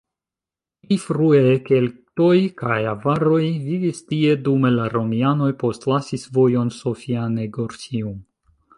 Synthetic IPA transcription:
fɾue̞ke̞lto̞jkajavaɾo̞jvivistie̞dume̞laɾo̞miano̞jpo̞stlasisvo̞jo̞nsofianeɡoɾsium

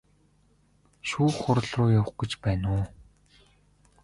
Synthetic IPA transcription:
ʃuːχʊɾ̆ɮrʊːjaw̆χɡĕt͡ɕpæːnʊː

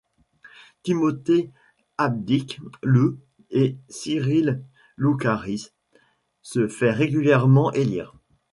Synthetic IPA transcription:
t̪imɔt̪e | ab̚d̪iklu | esiʁilː | ukaʁis | səfɛʁeɡʲyljɛʁmɑ̃ʔelḭːʁ

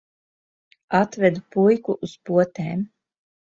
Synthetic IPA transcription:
at̪vɛd̪upujkuʔuspuɔt̪eːm

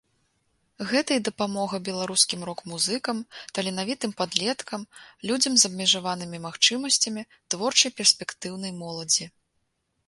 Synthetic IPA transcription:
ɣɛt̪ɐjid̪ɐpamɔɣɐbʲɛlˠaɾuskʲimrɔkmuzɨkɐmt̪ɐlʲinavʲit̪ɨmpad̪lʲɛt̪kʰɐmlʲud͡zʲɐmzɐbmʲɛʐavanɨmʲimaxt͡ʂɨmɐsʲt͡sʲɐmʲi | t̪vɔrt͡ʂɐjpʲɛrsʲpʲɛkt̪ɨwnɐjmɔlˠɐd͡zʲi

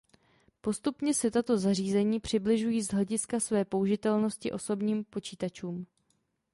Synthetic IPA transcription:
po̞st̪upɲɛsɛt̪at̪o̞zar̝iːzɛɲiːpr̝̥ɪblɪʒujiːzɦɛɟɪskasvɛːpo̞uʒɪt̪ɛlno̞scɪʔo̞so̞bɲiːmpo̞t͡ʃiːt̪at͡ʃuːm

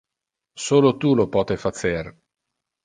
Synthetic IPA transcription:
soːlot̪ulopɔːt̪efat̪ser

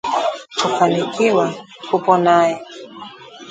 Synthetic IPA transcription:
kufanikiwa | kupɔnajɛ

